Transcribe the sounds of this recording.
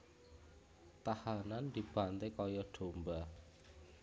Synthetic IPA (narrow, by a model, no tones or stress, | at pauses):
t̪ahanand̪̥i̤b̥a̤nt̪ekɔjɔɖ̥o̤mba